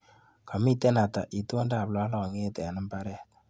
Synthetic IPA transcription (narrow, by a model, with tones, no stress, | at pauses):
kʰa˨mi˦tɛ˦na˨ta˨ʔi˨to˦nda˨blɔ˦lɔ˨ŋe˦tɛ˨nɨ˦mpa˦ɾɛ˦˨t̚